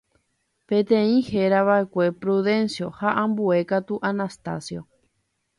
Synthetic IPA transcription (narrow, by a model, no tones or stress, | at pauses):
pẽt̪ẽĩheɾaβaʔekʷe̞pɾuðe̞nsjo̞haʔãmbue̞kat̪uʔanast̪a̰sjo